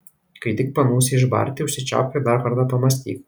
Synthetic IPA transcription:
kɐɪt̪ʲɪk̚pɐnuːsʲɪɪʒbɐ̰ɾʲt̪ʲɪʊʃʲsʲɪt͡ʃʲa̰ːpʲɛd̪ɑɾkɐɾt̪ɑpɐmɐsʲt̪ʲḭːk

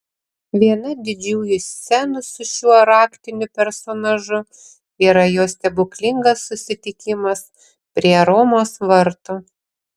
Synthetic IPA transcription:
ʋʲiɛnɐd̪ʲɪd͡ʒʲuːjʊsʲsʲɛnʊsʊʃʲuɔɾɑːkt̪ʲɪnʲʊpʲɛɾsoːnɐʒʊ | iːɾɐjoːsʲt̪ʲɛbʊklʲɪŋɡɐsːʊsʲɪt̪ʲɪkʲɪmɐs | pʲɾʲiɛɾoːmoːsʋɐɾt̪ʊ

